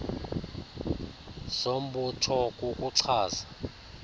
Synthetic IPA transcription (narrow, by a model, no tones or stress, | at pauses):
som̩ɓutʰɔk̬ʼukʼuǀʰaːza